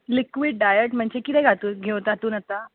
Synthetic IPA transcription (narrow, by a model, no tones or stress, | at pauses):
likʋiːɖɖajəʈm̤əɳt͡ɕekit̪ɛ̃jɡʱat̪uːɡʱeʋt̪ɡʱat̪uːnət̪a